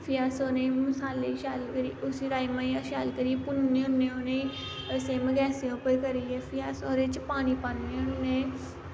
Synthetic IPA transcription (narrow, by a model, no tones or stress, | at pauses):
fʰijaːsoːneimʊsaːlːeʃaːlkəɾiːʔʊsiːɾaːimãːiaʃaːlkəɾipʊnːẽʊnːẽːonei | əseːmɡɛːsẽoːpəɾkəɾiːɛfʰijaːsoːɾet͡ʃpaːñiːpanːeʊnːẽː